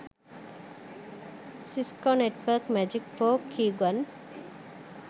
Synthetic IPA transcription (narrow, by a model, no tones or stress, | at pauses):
siskoneʈʋəkmæd͡ʒik̚poːkʰːiːɡwɐn